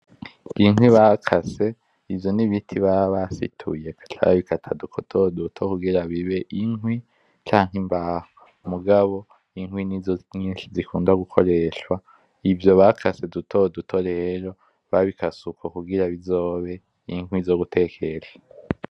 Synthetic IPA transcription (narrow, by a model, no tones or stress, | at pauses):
iŋwiβaːkʰase̞ | ivjo̞niβitʰiβaβasḭtʰṵje̞kḁtʰa̰βa̰βikʰatʰadukʰotʰodutʰokuɡiɾaβiβe̞ʔiŋɦwi | t͡ʃaːŋɦimbaho | muɡaβo̞ | iŋwiniɲiːʃizikʰuːndaɡukʰo̞ɾe̞ʃwa | ivjo̞βaːkʰase̞dutʰo̞dutʰoɾeeɾo̞ | βaβikasukokuɡiɾaβizo̞ːβe̞ | iŋwizo̞ːɡutʰe̞kʰe̞ɾa